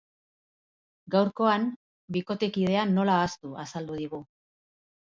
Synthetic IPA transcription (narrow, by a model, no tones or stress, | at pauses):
ɡawɾko̞an | biko̞t̪e̞kið̞e̞anːo̞laːst̪uasald̪uð̞iɣ̞u